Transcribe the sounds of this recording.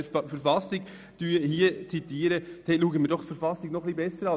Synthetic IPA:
fəɾfɑsɪɡ | d̥yːəhiːət͡sit̪iːɾət̪ʰɛtluːɡəmiːɾdɔχfəɾfɑsɪɡnɔχlibɛsəɾɑ

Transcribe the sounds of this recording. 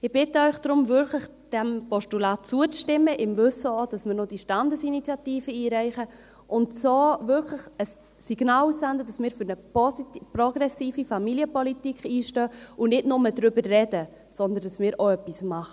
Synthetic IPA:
ɪb̥ɪtəœʏχd̥ɾʊmvʏɾklɪχ | d̥ɛmpɔʃtulɑːtt͡suət͡sʃtɪmːəʔɪmvʏsəod̥ɑsmɪːɾnod̥iʃtɑndəsinit͡sjɑtiːfəiːɾæɪχə | ʔʊntsoːvʏɾkʰlɪχəsː | iɡ̥naːlusændəd̥ɑsmɪːɾfʏɾnəpɔsiprɔɡ̥ɾɛsiːfifɑmiliəpɔlitikχiːʃtøːʊnɪdnʊmədɾʏbərːɛdə | sɔnd̪əndɑsmɪːɾoœpːismɑχə

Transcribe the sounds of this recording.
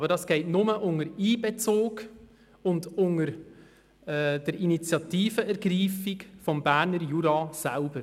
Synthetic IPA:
bəɾdɑsɡ̥ɛɪtnʊməʔʊŋəɾiːbet͡soːk | ʊndʊŋəɾ | ɛd̥əɾinit͡sjɑtiːfəɛɾɡɾiːfikfɔmbæːɾnəɾjuɾɑsælb̥əɾ

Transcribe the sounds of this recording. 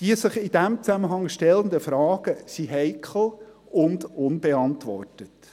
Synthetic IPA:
d̥iəsəχɪd̥æmt͡sæməɦɑŋʃtɛlənd̪əfɾɑːɡ̥əsiɦɛɪkχl̩ˠ | ʊndʊnbeɑntʋɔ̰rtət

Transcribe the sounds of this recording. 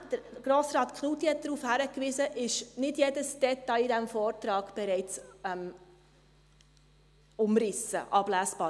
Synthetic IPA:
d̥əɾɡ̥ɾoːsɾɑːt̪kʰnut̪iɛt̚d̪ɾuːfhæɾəkʋɪzəʔɪʃnɪd̥jedəsd̥ɛt̪ɑɪid̪æmfoːrtɾɑːɡ̥b̥ɛɾɛɪt͡sɛm | ʊmrɪsə̰ʔɑb̥læːsb̥ɑː

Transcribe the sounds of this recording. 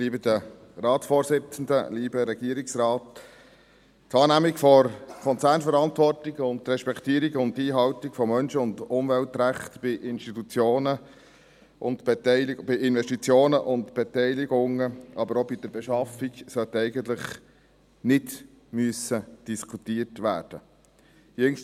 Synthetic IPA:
liːbəd̪ə | rɑːtsfoːɾsɪt͡sən̩d̪əliːbəɾɛɡ̥iːəɾiksrɑːt | tɑːnæmikfɔɾkʰɔnt͡sæːɾnfəɾɑntʋɔrtiɡʊntɾɛʃpɛkʰt̪iːɾiɡʊnt̪iːɦɑwtikfɔmœnʃəʊnd̪ʊmʋɛltɾæχt̪b̥ɪʔɪnʃtitut͡sjoːnə | ʔʊ̰ntb̥ɛtɛɪlib̥ɪɪnʋɛʃtit͡sjoːnəʔʊntb̥ɛtɛɪliɡʊŋəʔɑbəɾobɪd̥̪əɾbɛʃɑfiksœt̪ɛɪɡənt̪ləχ | nɪd | myəsəd̥iskʰutiːərtʋæ̰ːɾd̥ə | jɪŋ

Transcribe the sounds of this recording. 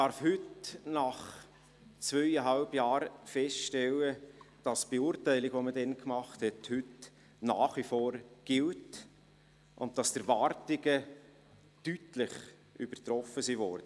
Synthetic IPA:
ɑɾfhʏtnɑχ | t͡sʋœʏəɦɑlbjɑːɾfɛstʃtɛləd̥ɑsb̥euɾtæɪliɡʋomədɛnkmɑχthɛthʉt | nɑːχʋifoːɾɡ̥ɪlt | ʔʊ̰nt̚tɑstəɾʋɑɾtɪɡə | tytlɪχ | ʔʏb̥əɾtɾɔfəsivɔɾd̥ə

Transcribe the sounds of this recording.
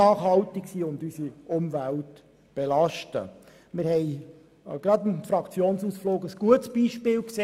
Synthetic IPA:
ɑːχhɑltɪksiːʊndysiʔʊmvælt | b̥elɑʃtə̰ | mɪɾhɛɪ | ɡ̥ɾɑdɪnfɾɑkt͡sjoːnsuːsfloːɡəsɡ̥uətsb̥iːʃpɪːlkseː

